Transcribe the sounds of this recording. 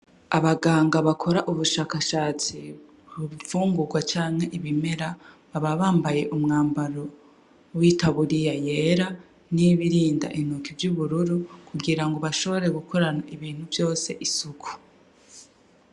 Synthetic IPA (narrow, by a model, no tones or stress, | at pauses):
aβaɡaːŋɡaβakʰo̞ɾaʔuβuʃaːkaʃaːt͡si | βuβifuːŋɡuɡwat͡ʃaːŋhe̞ʔiβime̞ɾa | βaβaβaːmbaje̞ʔumŋaːmbaɾo̞ | wiːtʰaβuɾijajeɾa | niβiɾiːnda̰ʔinokivjuβuɾuɾukuɡiɾaŋɡoβaʃo̞βo̞ɾe̞ɡukʰo̞ɾanaiβiːn̥huvjo̞ːse̞ʔisukʰu̥